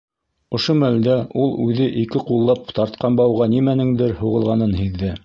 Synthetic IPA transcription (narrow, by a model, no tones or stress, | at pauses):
ŏʃomæld̪æʔulˠʉðɘʔikɘqulˠːɑpt̪ɑɾt̪̚qɑnbɑwʁɑnimænɘŋd̪ɘɾhuʁɤ̆lˠʁɑnɤnhiðːɘ